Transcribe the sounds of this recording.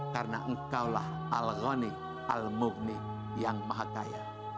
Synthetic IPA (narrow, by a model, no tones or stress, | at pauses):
karnaʔəŋkawla̰h | alɣɔni | almuvni | jaŋmaɦaka̰ja̰